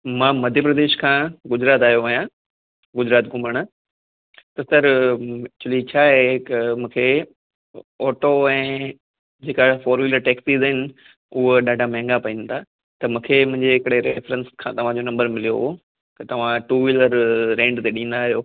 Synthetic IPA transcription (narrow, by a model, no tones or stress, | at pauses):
mãːmɐd̪ʱjəpɾɐd̪eːʃkʰãːɡʊd͡ʑɾaːt̪aːɦjoʋɐjã | ɡʊd͡ʑɾaːt̪ɡʊməɽ̃ | t̪ɐsɐɾɪt͡ɕʊlit͡ɕʰaːɦekmũːkʰe | ɔːʈoɛ̃ː | d͡ʑeːkafɔːɾmiːləɾʈeːksiːzɦɪnɪ̆ | ʊɦɗaːɖʱamɛ̃ːŋɡapɐĩnt̪ʰaː | t̪ɐmũːkʰemʊ̃ɦɪ̃ɲd͡ʑeɦɪkɪɽeɾefɾə̃nskʰãːt̪ɐʋ̤ãd͡ʑonɐ̃mbəɾmɪlijo̰ɦo | kɐt̪ɐʋ̤ãʈuːʋiləɾɾẽːɳɖt̪eɗĩːn̆d̪aːɦijoː